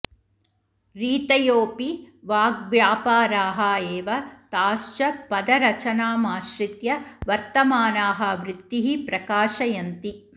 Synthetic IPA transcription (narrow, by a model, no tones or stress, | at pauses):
ɾiːt̪ɐjoːpi | ʋaːɡʋjaːpaːɾaːɦɐeːʋɐt̪aːʃt͡ʃɐpɐd̪ɐɾɐt͡ʃɐnaːmaːʃɾit̪jɐʋɐɾt̪ɐmaːnaːɦɐʋɾɪt̪ːiɦipɾɐkaːʃɐjɐnt̪i